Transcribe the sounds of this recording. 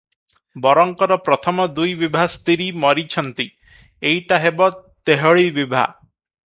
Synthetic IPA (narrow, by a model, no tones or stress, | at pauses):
bɔɾɔŋkɔɾɔpɾɔt̪ʰɔmɔd̪ujbibʱast̪iɾimɔɾit͡ʃʰɔnt̪i | ejʈaɦebɔt̪eɦɔɭibibʱa̰